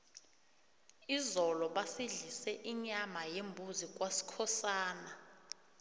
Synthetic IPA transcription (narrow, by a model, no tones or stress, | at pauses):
izɔlɔɓasiɮisɛʔiɲamajembʱuzik̬ʼwasi̥kʰɔsaːna